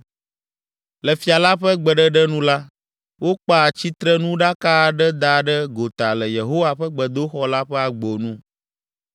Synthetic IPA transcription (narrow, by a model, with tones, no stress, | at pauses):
lɛ˨fi˨a˨la˦ɸɛ˦ɡ͡bɛ˨ɖɛ˦ɖɛ˦nũ˦la˦ | wo˦k͡pa˦˨t͡ɕi˦t̪ɾɛ˦nũ˦ɖa˦ka˦˨ɖɛ˦d̪a˨ɖɛ˦ɡo˨t̪a˨lɛ˨je˨ɦo˦wa˦ɸɛ˦ɡ͡bɛ˨d̪o˦xɔ˦la˦ɸɛ˦a˨ɡ͡bo˨nũ˦